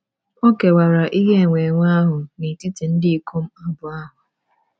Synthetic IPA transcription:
o˦ke˨wa˨ɾa˨ʔi˦ɦe˦˨ŋʷe˨ŋʷa˦ɦʊ˨ni˨ti˦ti˨n̩˦dɪ˦i˦ko˦m̩˦a˦bʊ˨a˦ɦʊ˨

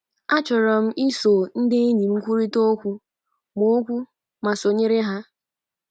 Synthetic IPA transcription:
a˦t͡ʃɔ˨ɾɔ˨m̩˦i˦so˨n̩˦dɪ˦e˦ɲi˨m̩˦kʷu˦ɾi˦to˦kʷu˦ | mo˦kʷu˦ | ma˨so˨ɲe˦ɾɪ˦ɦa˦

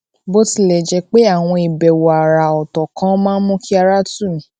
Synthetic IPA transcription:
bo˦ti˦˨lɛ˨d͡ʒɛ˧k͡pe˦a˦˨w̃ɔ̃˧i˨bɛ˨wo˨a˨ɾa˨ɔ˨tɔ˨kã˨˦mãː˦n̩˦mũ˦ki˦a˧ɾa˦tũ˦˨ñ˨˦

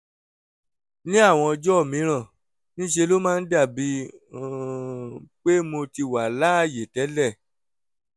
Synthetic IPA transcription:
nĩ˦a˦˨w̃ɔ̃˧ɔ˧d͡ʒɔ˦˨mĩ˨˦ɾ̃ã˦˨ | nĩ˦ʃe˧lo˦mãː˦˧n̩˦da˦˨bi˨˦ | k͡pe˦mo˧ti˧wa˨la˨˦˨je˨tɛ˨˦lɛ˦˨

